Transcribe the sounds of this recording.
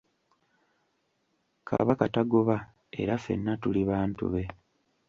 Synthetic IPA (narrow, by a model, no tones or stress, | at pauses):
kʰa̰βakataɡoβa | e̞̰ɾafe̞̰nːatuliβaːntṵβe̞